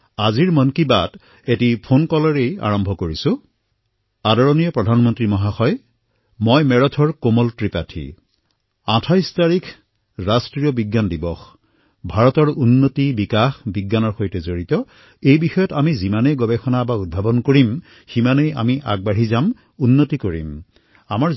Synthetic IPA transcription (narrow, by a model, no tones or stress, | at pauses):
aziɹmɔnkiba̰d | etipʰonkɔlɔɹeja̰ɹɔmbʱɔkoɹisʊ̃ | adɔɹɔnijɔpɹɔdʱanmɔntɹimɔɦaxɔj | mɔjmɛɹɔtʰɔɹkomɔltɹipatʰḭ | atʰajstaɹikʰ | ɹastɹijɔbiɡːandibɔx | bʱaɹɔtɔɹunːotibikaxbiɡːanɔɹxojtɛzoɹitɔ | ejbixɔjɔtamizimanejɡɔbɛxɔnabaud̚bʱabɔnkoɹim | ximaneja̰miʔa̰ɡ̚baɹizam | unːotikoɹḭm | amaɹ